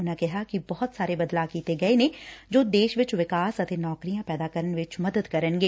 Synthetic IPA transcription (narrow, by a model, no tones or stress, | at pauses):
ʊnãkɛɦakibɔɦʊt̪saːɾebɐd̪laːkiːt̪eɡɐenẽd͡ʒoːd̪eːʃʋɪt͡ʃʋɪkaːsɐt̪enɔːkɾijãpɛːd̪aːkəɾənʋɪt͡ʃmɐd̪əd̪kɐɾənɡeː